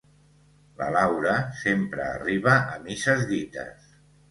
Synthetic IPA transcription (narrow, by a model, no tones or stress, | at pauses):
lə̰lawɾəsempɾə̰ːriβəʔːmisəzðit̪ə̰s